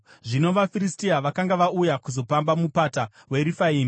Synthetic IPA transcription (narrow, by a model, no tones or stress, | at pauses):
ʐino̞ʋafiɾistiaʋakaŋɡaʋaujakuzo̞pambamupata | we̞ɾifaiːmi